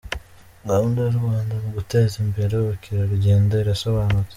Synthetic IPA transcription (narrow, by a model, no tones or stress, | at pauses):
ŋaβundioɾuwaːndamuɡute̞ːzimbe̞ɾeoβokiɾaɾuɟeːndeiɾaso̞βaːnue̥